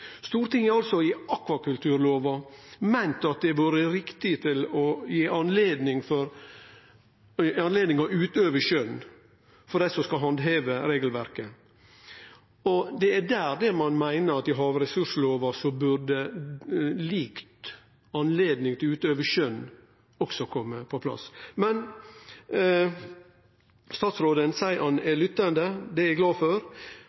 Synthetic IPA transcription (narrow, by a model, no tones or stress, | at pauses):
st̪uːɾt̪ɪŋæɾɑlsɔɪɑkʋɑkʉlt̪ʰʉːɾloːʋɑmæɪnt̪ɑt̪̚d̪ɛʋuːɾəɾɪkt̪ɪt̪ʰɪlɔjeːʔɑnleːd̪nɪŋfɔɾ | ɑnleːd̪nɪŋɑʉːt̪øːʋəʃœn | fɔɖɛɪsɔskɑɦɑnd̪ɦeːʋəɾeːɡəlʋæɾkə | ɔd̪ɛæd̪æːɾd̪ɛmɑnmæɪnəɾɑt̪ɪɦɑːʋɾɛsʉʂloːʋəʂɔbʉɾɖɛ | liːkt̪ | ɑnleːd̪nɪŋt̪ʰɪlʉːt̪øːʋəʃœn | ɔksɔkʰɔmːəpʰɔpʰlɑ̰smɛn | st̪ɑːt̪sɾoːd̪ənsæɪʔɑnɛlʏt̪ːənd̪əd̪ɛæɡlɑːføɾ